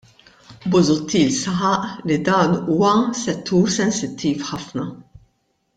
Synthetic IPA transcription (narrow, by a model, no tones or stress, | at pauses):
bʊzʊt̪ʰːiːlsɐħɐʔlid̪ɐːnuːwɐsɛt̪ʰːuːɾsɛnsɪt̪ʰːiːfħɐfnɐ